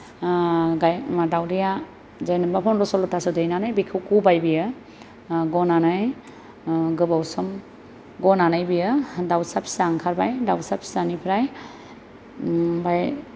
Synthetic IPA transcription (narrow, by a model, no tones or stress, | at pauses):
ɡajmadawdija | zajnɯmbapʰɔnɾɔsɔlɔtasɔdɯjnanajbikʰɯwkubajbijɯ | ɡɔnanaj | ɡɯbawsɔm | ɡɔnanajbijɯdawsapʰi̥saŋkʰaɾbajdawsapʰi̥sanipʰɾaj | baj